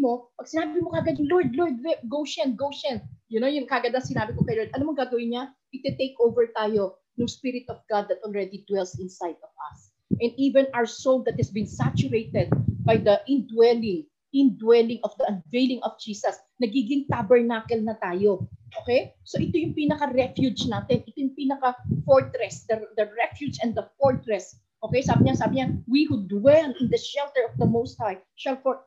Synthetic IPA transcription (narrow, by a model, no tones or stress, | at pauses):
mopɐɡ̥̚sɪnaːbɪmokɐɡɐd̪ʊŋloɹd̪̚loɹd̪̚wɛɡowʃɛnɡowʃɛnjʊnojʊŋkaɡɐd̪ɐŋsɪnaːbɪkokɐjloɹd̪ʔɐlamoŋɡaːɡɐwɪnɲaʔɪt̪ɛt̪ejkʔowvɛɹt̪aːjo̞ | nʊŋspɪɾɪt̪ɔvɡad̪̚ːɐt̪̚ʔɔlɹɛd̪id̪wɛlsɪ̃nsajd̪ɔvɐ̰s | ʔɛnd̪ivɛ̃nʔawəsold̪ɐt̪̚hɛsbɪ̃nsat͡ʃʊɹejt̪ɛd̪̚bajd̪ɐʔɪ̃nd̪wɛlɪ̃ŋ | ɪ̃nd̪wɛlɪŋʔɔfd̪ɐʔɐnvejlɪ̃ŋʔɔfd͡ʒiːsɐs | nɐɡiːɡɪŋt̪abɛɹnakɛlnɐt̪aːjo̞ʔoːkɛjso̞ʔɪt̪ojʊŋpiːnɐkɐɾɛfjud͡ʒnaːt̪ɛnʔɪt̪ojʊŋpiːnɐkafɔɹt̪ɾɛsd̪ɐd̪ɐɹɛfjud͡ʒɛ̃nd̪ɐfɔɹt̪ɹɛs | ʔokejsaːbɪɲasaːbɪɲawihud̪wɛlɪ̃nd̪ɐʃɛlt̪ɛɹɔfd̪ɐmowst̪̚haj | ʃɐlfɔɹ